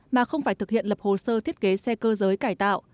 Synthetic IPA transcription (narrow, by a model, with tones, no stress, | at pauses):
maː˨˩xə˧wŋ͡mfaː˧˩jt̪ʰɨ˨˩k̚hḭ˧˨ənlə˨˩p̚ho˨˩səː˧t̪ʰi˦˥t̚ke˨˦sɛ˧kəː˧zəː˨˦jkaː˧˩jt̪a̰ː˧˨wʔ